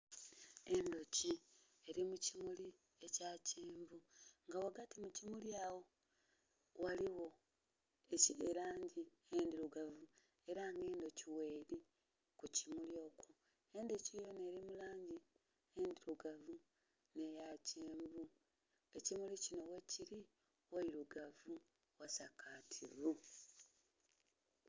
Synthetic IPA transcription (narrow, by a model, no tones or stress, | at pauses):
e̞ndo̞ci | e̞ɾimucimuli | e̞caːceːɱvuŋɡawaɡatimucimuljaːwo̞ | waliwo̞ | ecieɾaːɲɟi | eːndiɾuɡavu | e̞ɾaŋɡe̞ːndo̞ciwe̞ːɾi | kucimuljo̞ːkʰo | e̞ːndecijone̞ɾimulaːɲɟi | endiɾuɡavu | ne̞jaceːmbu | e̞cimulicino̞we̞ciɾi | waiɾuɡavu | wasakʰaːtʰivu